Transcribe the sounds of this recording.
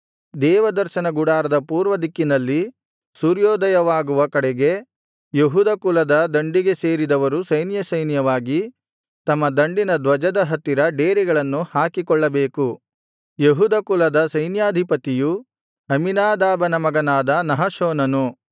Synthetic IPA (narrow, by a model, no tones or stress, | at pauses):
d̪ɛːʋɐd̪ɐɾʃɐnɐɡuɽaːɾɐd̪ɐpuːɾʋɐd̪ikːinɐlːi | suːɾjɔːd̪ɐjɐʋaːɡuʋɐkɐɽɛɡe̞ | jeɦuːd̪ɐkulɐd̪ɐd̪ɐɳɖiɡese̞ːɾid̪ɐʋɐɾusɐjnjɐsɐjnjɐʋaːɡi | t̪ɐmːɐd̪ɐɳɖinɐd̪ʋɐd͡ʒɐd̪ɐɦɐt̪ːiɾɐɖeːɾiɡɐɭɐnːuhaːkikɔɭːɐbeːku | jeɦuːd̪ɐkulɐd̪ɐsɐjnjaːd̪ʱipɐt̪iju | ɐminaːd̪aːbɐnɐmɐɡɐnaːd̪ɐnɐɦɐʃɔːnɐnu